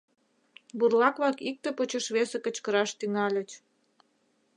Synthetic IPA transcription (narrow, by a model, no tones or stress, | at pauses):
burlɑkβɑkik̚t̪epot͡ɕəʃβesekət͡ɕkəɾɑʃt̪yŋɑlʲət͡ɕ